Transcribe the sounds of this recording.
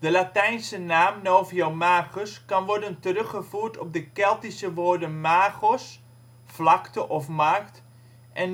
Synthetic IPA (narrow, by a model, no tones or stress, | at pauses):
d̥əlatɛjnsənaːmnoːviomaːɣɔskɑnʋɔɹdəntərøχəfuːtʰɔp̚dəkɛlˠtisəʋoːɹdənmaːɣɔs | flɑktəʔɔfmaːkt | ʔɛn